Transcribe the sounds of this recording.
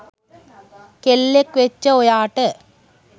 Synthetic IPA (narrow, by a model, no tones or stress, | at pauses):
kelːekːʋet͡ʃːɐɔjaːʈːɐ